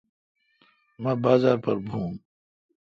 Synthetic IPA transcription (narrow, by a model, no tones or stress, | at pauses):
mãːbaːzaːɾpɐɾbʱũː